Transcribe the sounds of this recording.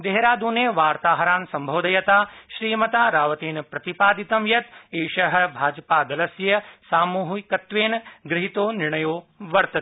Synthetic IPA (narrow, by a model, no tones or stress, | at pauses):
d̪eɦeɾaːd̪uːneːʋaːɾt̪aːɦɐɾaːnsɐmbʱɐʋd̪ɐjɐt̪aːʃɾiːmɐt̪aːɾaːʋɐt̪eːnpɾɐt̪ipaːd̪it̪ɐmjɐt̪eːʃɐɦɐ̆bʱaːd͡ʒpaːd̪ɐlɐsjɐsaːmuːɦikɐt̪ʋeːnɡɾɪɦit̪oːnɪɾɳ̃ɐjoːʋɐɾt̪ɐt̪ː